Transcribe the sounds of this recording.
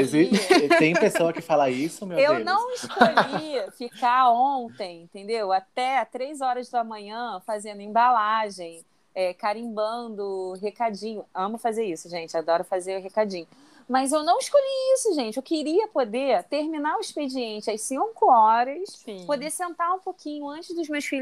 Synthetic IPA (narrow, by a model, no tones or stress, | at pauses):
ezit̪ẽj̃pesoɐkɪfalaisʊmewewnɐ̃w̃iʃkoʎifikaõnt̪ẽj̃ĩt̪ẽnd̪ewat̪ɛt̪ɾejzɔɾɐzd̪ɐmɐ̃ɲɐ̃fazẽnd̪ʊẽbalaʒẽj̃ | ɛkaɾĩmbɐ̃nd̪ʊɦekad͡ʒĩɲʊɐ̃mʊfazeɾisʊʒẽnt͡ʃɪad̪ɔɾɐfazeɾʊɦekad͡ʒĩɲʊ | mɐzewnɐ̃w̃iʃkoʎiisʊʒẽt͡ʃɪewkiɾiɐpod̪et̪eɾminaɾʊisped͡ʒiẽnt͡ʃɪɐsĩkʊɔɾɐspod̪esẽnt̪aũpokĩɲʊɐ̃nt͡ʃɪzd̪ʊzmeɐsfiʎ